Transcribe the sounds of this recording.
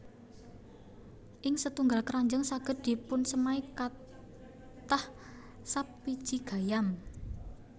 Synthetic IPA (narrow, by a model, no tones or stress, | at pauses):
ʔɪŋsət̪uŋɡalkəɾaɲd͡ʒəŋsaɡ̥ə̤d̪̥i̤pʊnsəmaika | t̪ah | sapːid̥ʒ̥iɡ̥a̤jam